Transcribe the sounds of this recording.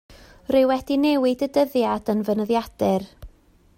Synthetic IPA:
rɪwɛdinɛwɪdədəðjadənvənəðjad̥ɪr

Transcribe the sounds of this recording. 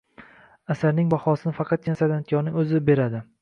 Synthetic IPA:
asaɾnɪŋbaχɒsɪnɪfɑqʰɑt̪̚kʲɪnasad̪ant̪ʰjɒɾnɪŋɵzɪbe̞ɾad̪ɪ

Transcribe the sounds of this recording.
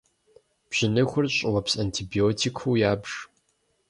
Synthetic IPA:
b̥ʑ̥ɪnɨxʷʊrɕʼɪwɐpsantʰibioːtʰikʰuːjaːbʒ̥

